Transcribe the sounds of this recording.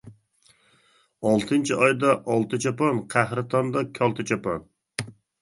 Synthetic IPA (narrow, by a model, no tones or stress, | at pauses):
ɑlˠt̪ʰɨnt͡ʃʰiɑjd̪ɑʔːlˠt̪ʰɨt͡ʃʰɑpɑnqʰæhɾɨt̪ʰɑnd̪ɑkʲʰɒlˠt̪ʰɨt͡ʃʰɑpʰɑn